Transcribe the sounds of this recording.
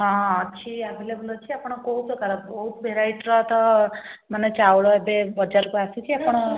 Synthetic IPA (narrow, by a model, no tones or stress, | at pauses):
ɦɔ̃ːt͡ʃʰiabʱelebəlɔt͡ʃʰiapɔɽ̃ɔkoɦut͡sɔkaɾɔbɔɦut̪bʱeɾaiʈɾɔt̪ɔmanet͡ʃawɭɔebebɔd͡ʒaɾkuasit͡ʃʰiapɽ̃ɔ